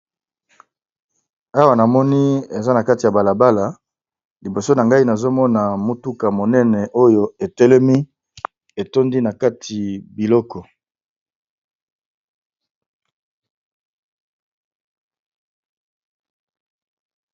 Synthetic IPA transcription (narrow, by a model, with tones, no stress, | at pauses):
a˦wa˨na˨mɔ˦ni˦e˨za˦na˨ka˦ti˨a˨ba˨la˨ba˦la˨ | li˨bo˨so˦na˨ŋɡa˦i˦na˨zo˦mɔ˦na˨mu˦tu˦ka˨mo˨nɛ˦nɛ˨ʔo˦jo˨e˨tɛ˦lɛ˦mi˦ | e˨to˦ndi˦na˨ka˦tʰi˨bi˨lɔ˦kɔ˨